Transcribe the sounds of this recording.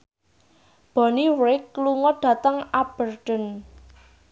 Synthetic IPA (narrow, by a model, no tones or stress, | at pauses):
b̥ɔ̤niwɾɪkːluŋɔɖ̪̥a̤t̪əŋab̥ərɖ̥ə̤n